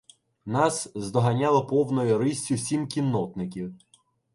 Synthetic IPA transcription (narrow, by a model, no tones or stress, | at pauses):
nɑszd̪ɔɦɐnʲɑlˠɐpɔwnɔjʊɾɪsʲʊwsʲimkʲinːɔt̪nɪk̬ʲiw